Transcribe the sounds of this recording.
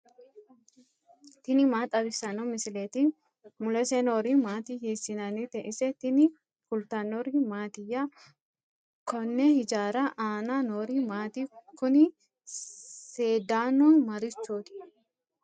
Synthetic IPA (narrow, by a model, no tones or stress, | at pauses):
t̪ɪnɪmaːt̪ʼɐbɪsɐnɔmɪsɪleːt̪in | mʊlɛsɛnoːɾimaːt̪iːhiːsɪnɐnɪt̪ɛʔɪsɛt̪ɪnɪ | kʊlt̪ɐnːɔɾimaːt̪ɪjːa | kɔnːɛhɪd͡ʒaːɾɐʔaːnanoːɾimaːt̪iːkʊnɪ | seːd̪aːnunmɐɾɪt͡ʃːoːt̪ɪ̥